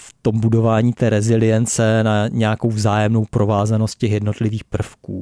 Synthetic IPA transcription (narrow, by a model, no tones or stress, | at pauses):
ft̪o̞mbudo̞vaːɲiːt̪ɛːɾɛzɪlɪjɛnt͡sɛnaɲɛjako̞wvzaːjɛmno̞wpɾo̞vaːzano̞st̪̚cɛxjɛdno̞t̪lɪviːxpr̩fkuː